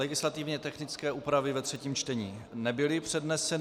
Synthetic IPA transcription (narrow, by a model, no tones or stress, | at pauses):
ɛɡɪslat̪ɪvɲɛt̪ɛxnɪt͡skɛːʔuːpɾavɪvɛt̪r̥ɛciːmt͡ʃt̪ɛɲiːnɛbɪlɪpr̝̥ɛdnɛsɛ